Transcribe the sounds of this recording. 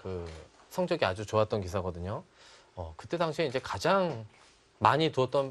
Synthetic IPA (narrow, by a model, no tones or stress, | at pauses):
kɯ | sʰʌŋd͡ʑʌɡiad͡ʑut͡ɕoat̚t͈ʌnkis̬ʰaɡʌdɯɲo | ʌkɯt͈e̞daŋɕʰieind͡ʑe̞kad͡ʑaŋ | maɲituʌt̚t͈ʌn